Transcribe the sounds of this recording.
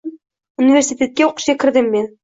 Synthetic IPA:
unʲivʲersʲit̪ʲet̪̚kʲeuqɤ̥̆ɕɑkɘ̆ɾd̪ɘmːen

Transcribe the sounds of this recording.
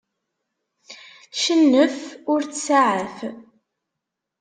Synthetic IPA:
θʃənːəfʊɾt͡ssaʕəf

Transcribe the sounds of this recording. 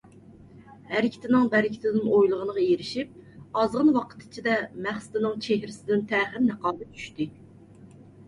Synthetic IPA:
hæɾɪkʲʰi̥t̪ʰɪnɪŋbæɾɪkʲʰɪ̥t̪ʰɪd̪ɪnojlˠəʁənəʁɑjeɾɪʃip̚ɑzʁənwɑqʰə̥t̪ʰːɪ̥t͡ʃʰid̪ɛmæχsɪ̥d̪ɪnɪŋt͡ʃʰeɦɾɪsɪd̪ɪnt̪ʰæːχɪɾnəqɑːd̪ɨt̪ʰy̥ʃt̪ɪ

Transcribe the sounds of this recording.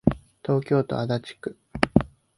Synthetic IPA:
t̪o̞ːkʲo̞ːt̪o̞̰ad̪at͡ɕi̥kɯ̟

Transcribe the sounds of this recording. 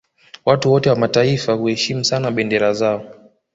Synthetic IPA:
watuwɔtɛwamataifahuhɛʃimusanaɓɛndɛɾazaɔ

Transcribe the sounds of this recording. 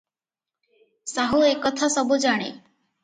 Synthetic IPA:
saɦuekɔt̪ʰasɔbud͡ʒaɽ̃ḛ

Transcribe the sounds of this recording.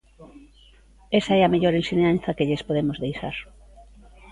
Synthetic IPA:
esaɛameʎoɾensineanθakeʎespoðemozðejsa̰ɾ

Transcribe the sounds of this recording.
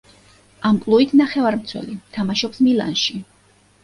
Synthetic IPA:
ampʼlˠuit̪ʰnaχɛvaɾmt̪sʰwɛ̰lit̪ʰamaʃɔpsmila̰nʃi

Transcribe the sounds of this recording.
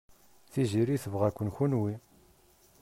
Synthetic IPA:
θiʒiɾiθəvʁækʷːənçunwi

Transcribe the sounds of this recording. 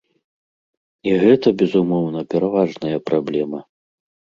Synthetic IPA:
iɣɛt̪ɐbʲɛzumɔwnɐpʲɛɾavaʐnɐjɐpɾablʲɛmɐ

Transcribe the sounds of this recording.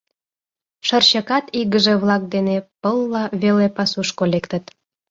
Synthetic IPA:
ʃə̆rɕə̆kɑt̪iɣəʒĕβlɑk̚d̪enepəlːɑβelepɑsuʃkolekt̪ə̆t̪

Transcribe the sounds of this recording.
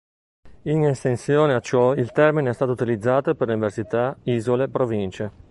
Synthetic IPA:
inest̪ensjoːneat͡ʃːɔilt̪ɛrmineɛst̪aːt̪out̪ilid̪zːaːt̪operleuniversit̪aiːzolepɾovint͡ʃe

